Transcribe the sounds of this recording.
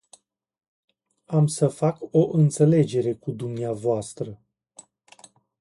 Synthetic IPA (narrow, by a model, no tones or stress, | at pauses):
amsəfako̞ʔɨnt̪se̞le̞d͡ʒe̞ɾe̞kud̪umneavoast̪ɾə